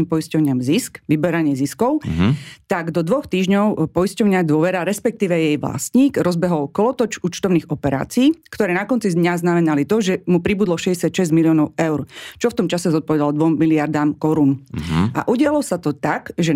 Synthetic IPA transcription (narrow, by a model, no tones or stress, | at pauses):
impɔjiscɔʊɲɪamziskʋibɛɾaɲɪɛziskɔʊt̪aɡd̪ɔd̪ʋɔxt̪iːʒɲɔʊpɔjiscɔʊɲɪad̪ʊɔʋɛɾaɾɛspɛk̚t̪iːʋɛjɛjʋla̰st̪ɲiːɡɾɔzbɛɦɔlkɔlɔt̪ɔt͡ʃuːt͡ʃt̪ɔʊniːɣɔpɛɾa̰ːt͡siːkt̪ɔɾɛːnakɔnt͡sid̪ɲaznamɛnalit̪ɔʒɛmupɾibuːd̪lɔʃɛɟɛsɪat̪ʃɛzɟmiliɔnɔʊɛʊɾt͡ʃɔft̪ɔmt͡ʃasɛzɔt̪̚pɔʋɛd̪alɔd̪ʋɔmːiliaɾd̪aːmkɔɾunʔa̰ʔuɟɪalɔsat̪ɔt̪aɡʒɛ